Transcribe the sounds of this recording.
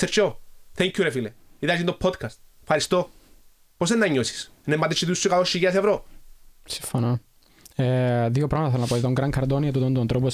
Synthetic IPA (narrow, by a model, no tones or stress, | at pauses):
seɾt͡ʃoθeɲkʰːuɾefileit̪ɐsint̪opʰod̪kʰɐst̪ | fxɐɾist̪o | posðenːɐɲːosi̥snemːɐt̪et͡ʃːit̪usːokɐt̪oʃːiʝeɐsevɾosiɱfonɐ | eðjopɾɐmɐt̪ɐθeonɐpot̪it̪oŋɡɾɐŋkʰɐɾd̪oniɐt̪ut̪ond̪uɐnt̪ɾopos